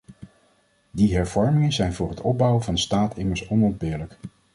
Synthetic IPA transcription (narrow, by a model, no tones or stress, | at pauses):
diɦɛɹvɔɹmɪŋənzɛjnvʊːrɦətɔb̚bʌwəvɑndəstaːtʰɪməɹsɔnɔnd̚bɪːɹlək